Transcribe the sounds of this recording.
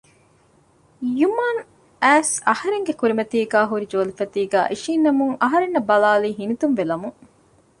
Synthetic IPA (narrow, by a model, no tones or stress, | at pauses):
jumaːn | æːsɐhɐɾeŋɡekuɾimɐt̪iːɡæːɦuɾid͡ʒoːlifɐt̪iːɡæ̰ːʔiʃiːnːɐmuŋɐɦɐɾenːɐbɐlaːliːɦinit̪umʋelɐmuŋ